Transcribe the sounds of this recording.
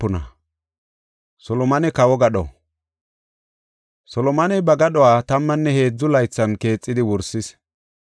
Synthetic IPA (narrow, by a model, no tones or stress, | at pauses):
ʊnɐ̰ | sɔlɔmɐnɛkɐwɔɡɐɗɔ̰ | sɔlɔmɐnɛbɐɡɐɗɔwaːt̪ɐmːɐnːɛhe̞ːd͡zːʊlɐjt͡sːɐnke̞ːt͡sʼːɪd̪ɪwɔɾsɪs